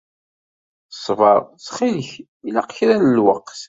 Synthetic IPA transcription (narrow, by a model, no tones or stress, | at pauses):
sˤvɑɾˤt͡sːχiləç | ilæqçɾænəlwəqːθ